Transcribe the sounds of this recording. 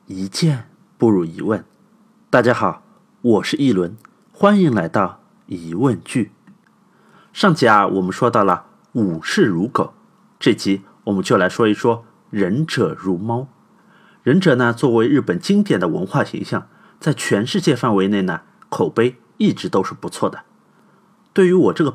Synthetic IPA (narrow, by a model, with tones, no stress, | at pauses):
i˧˥t͡ɕjɛ˥˧ | pu˥˧ɻu˥˩i˧˥wə˥˩n | t̪a˥˩t͡ɕja˥xɑ˨˩˦ʊ | wɔ˨˩ʂɻ̩˥˧i˥˩lwə˧˥n | xwa˥ni˧˥ŋla˧˥ɪt̪ɑ˥˩ʊ | i˧˥wə˥˧nt͡ɕy˥˩ | ʂɑ˥˧˩ŋt͡ɕʰi˧˩a˧wʔɔ̰˨˩mə˦nʂwɔ˥t̪ɑ˥˩ʊlə˩ | u˨˩ʂɻ̩˥˩ɻu˧˥kʰo˨˩˦ʊ | ʈ͡ʂɤ˥˩t͡ɕi˧˥ | wɔ˨˩mə˦nt͡ɕjo˥˩ʊla˧˥ɪʂwɔ˥i˧˩ʂwɔ˥ | ɻə˧˥nʈ͡ʂɤ˨˩ɻu˧˥mɑ˥ʊ | ɻə˧˥nʈ͡ʂɤ˨˩na˧t͡swɔ˥˩we˧˥ɪɻɻ̩˥˩pə˨˩nt͡ɕi˥ŋt̪jɛ˨˩nd̪ə˦wə̰˧˥nxwa˥˩ɕḭ˧˥ŋɕjɑ˥˩ŋ | t͡sa˥˩ɪt͡ɕʰɥɛ˧˥nʂɻ̩˥˧t͡ɕjɛ˥˧fa˥˩nwe˧˥ɪne˥˩ɪnə˩ | kʰo˨˩ʊpe˥ɪ | i˥˩ʈ͡ʂɻ̩˧˥t̪o˥ʊʂɻ̩˥˩pu˧˥t͡sʰwɔ˥˩d̪ə˩ | t̪we˥˩ɪy˧˥wɔ˨˩ʈ͡ʂɤ˥˩ɡə˩